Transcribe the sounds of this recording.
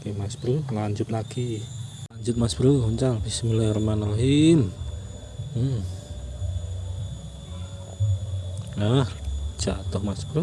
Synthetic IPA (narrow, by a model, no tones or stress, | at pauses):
kemasbɾulaɲd͡ʒʊt̪̚laɡ̥ilaɲd͡ʒʊt̪̚masb̥ɾuuɲt͡ʃaŋpisimulɛrəmanroɦim | ahd̥ʒ̥at̪ʊhmasb̥ɾu